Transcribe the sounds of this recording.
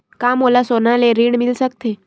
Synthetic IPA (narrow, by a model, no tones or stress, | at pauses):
kamolasonaleɾiɳmilsək̚t̪e